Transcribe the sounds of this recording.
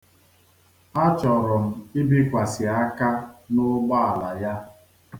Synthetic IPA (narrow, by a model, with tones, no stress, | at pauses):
a˦t͡ʃɔ˨ɾɔ˨m̩˨i˦bi˦kʷa˨sɪ˨a˦ka˦nʊ˦ɡ͡ba˦a˨la˨ja˦